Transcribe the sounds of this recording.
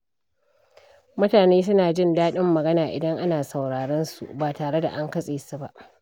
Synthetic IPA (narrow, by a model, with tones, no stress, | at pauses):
mʊ˦taː˨neː˦s̬ʊ˦naː˨d͡ʒɪ˦˨ndaː˦ɗɪ˦mːɐ˨ɡɐ˦naː˨ʔɪ̰˨dɐ˦ŋʔa˦naː˨sɐ˨wɽaː˨ɽɐ˦nsṵ˨ʔbaː˨taː˨ɽe˦da̰˨ʔa˦ŋkɐ˦sʼeː˨su˨ba˦ʔ